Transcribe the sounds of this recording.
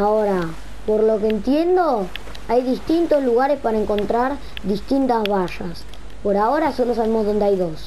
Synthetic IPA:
aoɾa | po̞ɾlo̞keːnt̪je̞nd̪o̞ | ajðist̪int̪o̞zluɣaɾe̞spaɾaeŋko̞nt̪ɾaɾ | ðist̪int̪azβaʃas | po̞ɾao̞ɾaso̞lo̞saβe̞mozðo̞nd̪eajðo̞s

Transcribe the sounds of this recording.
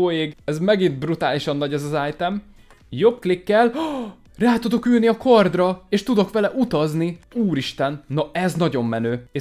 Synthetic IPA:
oːeːɡɛzmɛɡint̪̚brut̪aːliʃɒnːɒɟɛzɒzaːjt̪ɛm | jo̞bklikːɛl | raːt̪ud̪o̞kyːlniɒkʰord̪rɒeːʃt̪ud̪o̞kʋɛlɛʔut̪ɒzniuːɾiʃt̪ɛnːɒɛznɒɟo̞mːɛnøːe

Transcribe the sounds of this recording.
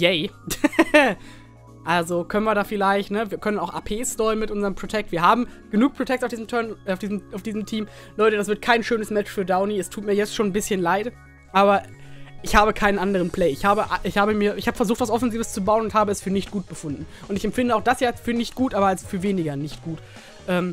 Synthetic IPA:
jɛɪ | ʔalzokʰœnənviːɐdaːfɪlaɪçtnəviːɐkʰœnənaʊxʔa̰ːpʰeːstɔɪənmɪtʔʊnzɐʁəmpʁ̥otʰɛk̚tv̥iːɐɦaːbm̩ɡ̥ənuːk̚pʁ̥otʰɛk̚taʊfd̥iːzəmtʰœɐnaʊfd̥iːzmaʊfd̥iːzəmtʰiːm | lɔʏtədasv̥ɪɐt̚kʰaɪnʃøːnəsmɛt͡ʃfyːɐdaʊniɛstʰuːtmiːɐjɛt͡stʃoːnbɪsçənlaɪt | ʔaːβɐʔɪçhaːbəkʰaɪnənʔandəʁ̞ənpl̥eɪɪçhaːbəʔaʔɪçhaːbəmiːɐʔɪçhaːbə̥fɛɐzuːxtv̥asʔɔfɛnziːvəst͡subaʊənʊnthaːbəɛsfyːɐnɪçtɡ̥uːt̚b̥əfʊndn̩ | ʔʊntɪçɛmfɪndəaʊxd̥asjaːalsfyːɐnɪçt̚ɡ̥uːtʔaːbɐalsfyːɐveːnɪɡɐnɪçt̚ɡ̥uːt | ʔɛːm

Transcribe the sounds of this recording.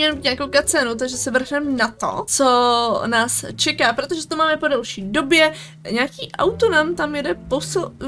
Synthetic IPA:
ɲɛlmiːt̪ɲakowkat͡sɛnut̪̬aɡʒɛsɛvr̩xnɛmnat̪o̰t͡so̞naːst͡ʃɛkaːpɾot̪o̞ʒɛt̪omaːmɛpo̞dalʃiːdo̞bjɛ | ɲaːkiːʔa̰wt̪onaːmt̪amjɛdɛpos

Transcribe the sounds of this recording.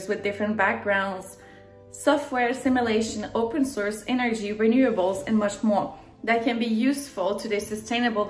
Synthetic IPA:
zwɨðdɪfɹɨ̃nb̥æk̚ɡ̥ɹãʊ̃ndz̥ | sɔft̚wɛɹɨsɪ̃mjəleɪʃɨ̃noʊpɨ̃nsɔɹsɛnə˞d͡ʒiɹɪnjʉɨbl̩ˠzɨ̃nmʌt͡ʃmɔɹ | ðɨt̚kʰɨ̃nbijʉsfəl̩ˠtʰɨðɨsɨstʰẽɪ̃nɨbl̩ˠ

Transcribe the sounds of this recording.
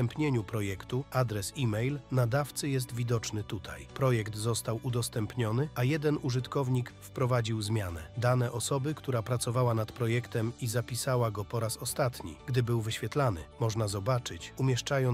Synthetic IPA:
ɛmpɲeɲupɾɔjɛkt̪uad̪ɾɛsimɛjlnad̪aft̪sɘjɛs̬t̪vʲid̪ɔt͡ʂnɘt̪ut̪ʰa̰jpɾɔjɛkt̪zɔst̪awud̪ɔst̪ɛmpɲɔnɘajɛd̪ɛnuʐɘt̪kɔvɲikfpɾɔvad͡ʑiwzmʲjanɛ̰d̪anɛʔɔsɔbɘkt̪uɾapɾat̪sɔvawanat̪pɾɔjɛkt̪ɛmizapʲisawaɡɔpɔɾasɔst̪at̪ɲḭɡd̪ɘbɘwvɘɕfʲjɛt̪lanɘ̰mɔʐnazɔbat͡ʂɘt͡ɕumʲjɛʂt͡ʂajɔ

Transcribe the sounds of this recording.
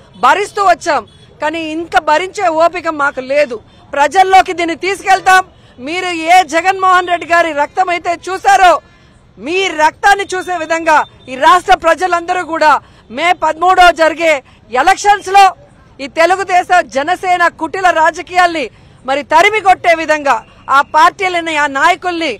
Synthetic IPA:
bʱɐɾist̪uːʋɐt͡ʃːaːm | kaːniːiŋkɐbʱɐɾiɲt͡ʃe̞ːoːpikɐmːaːkule̞ːd̪u | pɾɐd͡ʒɐlːo̞ːkid̪iːnːit̪iːsu̥kɛlt̪aːmː | iːɾueːd͡ʒɛɡɐnmɔːɦɐnɾe̞ɖːiɡaːɾiɾɐk̚t̪ɐmɐjt̪e̞ːt͡ʃuːsaːɾoː | miːɾɐk̚t̪aːnːit͡ʃuːse̞ːʋid̪ʱɐŋɡaː | iːɾaːʂʈɾɐpɾɐd͡ʒɐlɐnd̪ɐɾuːkuːɽaː | meːpɐd̪muːɽo̞ːd͡ʒɐɾiɡe̞ː | ɛlɐkʂɐnslo̞ː | iːt̪e̞luɡud̪ɛːsɐmd͡ʒɛnɐsɛːnɐkuʈːilɐɾaːd͡ʒɐkiːjaːlni | mɐɾit̪ɐɾimiɡoʈːe̞ːʋid̪ʱɐŋɡaː | aːpaːɾʈiːlinːɐaːnaːjɐkulɐni

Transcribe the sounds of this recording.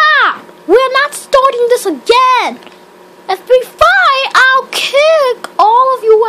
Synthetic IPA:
wiɹnətstɑɹɾɪ̃ŋðɪsəɡɛ̃n | ɨtbifaɪʔaɪlˠkʰʉkɔlˠʌvjəw

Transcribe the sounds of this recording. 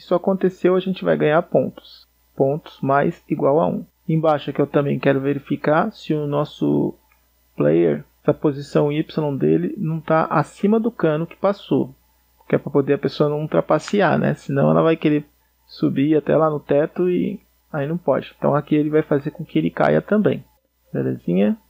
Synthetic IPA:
isʊakõnt̪esewaʒẽnt͡ʃɪva̰jɡɐ̃ɲaɾpõnt̪ʊ̥s | põt̪ʊ̥z̥majziɡwawa̰ṵ̃ | ẽj̃baʃɐkɪewt̪ɐ̃mbẽj̃kɛɾʊveɾifikaɾsɪʊnɔsʊ̰ | plḛjḛɾɛsɐpozisɐ̃w̃ipsɪlõw̃d̪elɪnɐ̃w̃t̪aʔasĩmɐd̪ʊkɐ̃nʊkɪ̥paso | pokɛpɾɐpod̪eɐpesoɐnɐ̃w̃ut̪ɾapasia̰ɾnɛ̰sɪnɐ̃w̃ɛ̰lɐvajkeɾe | subiat̪ɛ̰lanʊt̪ɛt̪ʊɪ | ainɐ̃w̃pɔ̰d͡ʒɪẽt̪ɐ̃w̃akielɪvajfazeɾkõkɪelɪka̰jɐ̰t̪ɐ̃mbḛ̃j̃ | belezĩɲɐ

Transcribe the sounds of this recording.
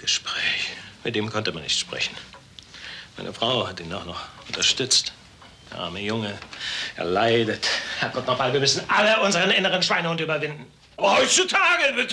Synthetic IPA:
ɡ̥əʃpʁ̥ɛːçmɪtd̥eːmkʰɔntəmanːɪçtʃpʁ̥ɛ̰çn̩ | mʔaɪnʔəfʁ̥aʊhatdiːnaχnɔχʊntɐʃtʏt͡st | d̥eːɐʔa̰ɐməjʊŋəʔɛ̰ɐlaɪdəthɛɐɡ̥ɔtnɔχbalviːɐmʏsn̩ʔaləʔʊnzəʁənɪnəʁənʃv̥aɪnʊʊntyːbɐvɪndn̩ | bɐhɔʏt͡sutʰaːɡəbɪtə

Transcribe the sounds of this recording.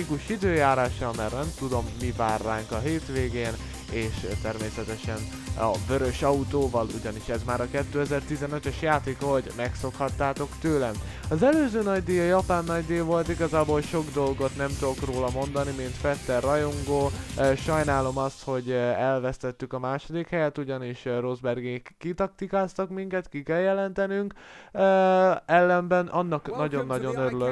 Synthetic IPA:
ikuʃid̪øːjaːɾaːʃːɒlmɛrnɛmt̪ud̪o̞mːivaːrːaːŋkɒɦeːt̪ʋeːɡeːn | eːʃt̪ɛrmeːsɛt̪ɛʃɛn | ɒ̰vø̞ɾø̞ʃɒut̪oːvɒluɟɒniʃɛzmaːɾɒkɛt̪ːøːɛzɛrt̪izɛnøt̪øʃjaːt̪eːkɒɦo̞ɟmɛkso̞khɒt̪ːaːt̪o̞kt̪øːlɛm | ɒzɛløːzøːnɒɟd̪eːjɒjɒpaːnːɒɟd̪eːvo̞lt̪iɡɒzaːbo̞lʃo̞ɡd̪o̞lɡo̞t̪nɛmt̪uokroːlɒmo̞nd̪ɒnimint̪fɛt̪ːɛrːɒjoŋɡoːʃɒjnaːlo̞mɒst̪ho̞ɟɛlvɛst̪ɛt̪ːykɒmaːʃo̞d̪ikhɛjɛt̪uɟɒniʃro̞zbɛrɡeːkːit̪ɒk̚t̪ikaːst̪ɒkmiŋkɛt̪kikɛljɛlɛnt̪ɛnyŋkː | ɛlːɛmbɛnʔɒnːɒknɒɟo̞nːɒɟo̞nøɾylø

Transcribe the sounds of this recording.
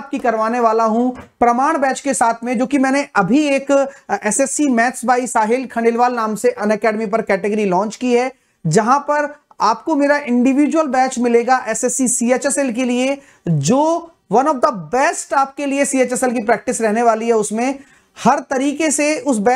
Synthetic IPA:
p̚kikɐɾʋaːneʋaːlaɦũpɾɐmaːɽ̃bɛːt͡ʃkesaːt̪ʰmẽd͡ʒoːkimɛ̃ːneʔɐbʱieːkɛsɛsimɛːt̪sbaːisaːɦɪlkʰɐ̃ɳɖɪlʋaːlnaːmseʔɐnɛkɛːɖmipɐɾkɛːʈɪɡəɾilɔ̃ːnt͡ʃkiɦɛː | d͡ʒɐɦãpɐɾ | aːpkomeːɾaʔɪ̃ɳɖɪʋiːd͡ʒwəlbɛːt͡ʃmɪleːɡaʔɛsɛsisiːeːt͡ʃɛsɛlk̬elie | d͡ʒoː | ʋɐnɔfd̪ɐbɛːsʈaːp̚keliesiːeːt͡ʃɛsɛlk̬ipɾɛːk̚ʈɪsɾɛɦneʋaːliɦɛʊsmẽ | hɐɾt̪ɐɾiːkeseʊsbɛ

